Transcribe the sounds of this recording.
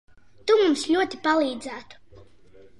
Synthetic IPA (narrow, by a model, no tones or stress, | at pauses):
t̪umumslʲuɔt̪ipalˠiːd̪zæːt̪u̥